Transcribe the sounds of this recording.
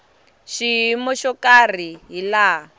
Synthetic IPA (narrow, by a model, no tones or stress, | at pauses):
ʃiimɔʃɔkar̤iɦila